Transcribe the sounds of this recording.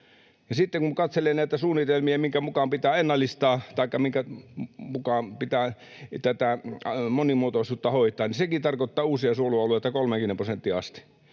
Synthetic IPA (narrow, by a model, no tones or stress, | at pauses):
jɑsit̪ːeŋkuŋkɑt̪selennæˑit̪æsuːnit̪elmiæmiŋkæmukɑmpit̪æːenːɑlːˑist̪ɑːt̪ɑikːɑmiŋkæmukɑmpit̪æː | t̪æt̪æmonimuot̪oisuːt̪ːɑhoˑit̪ˑɑːnisekit̪ɑrkot̪ːɑːuːsiɑsuoluɑluet̪ɑkolmeŋkynemprosent̪ːiɑ̰st̪i̥